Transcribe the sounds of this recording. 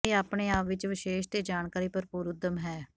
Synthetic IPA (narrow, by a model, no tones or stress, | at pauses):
iːaːpɳeːaːpʋɪt͡ʃʋɪʃeːʃt̪eːd͡ʒaːɳkaːɾiːpəɾpuːɾʊd̪əmɦɛː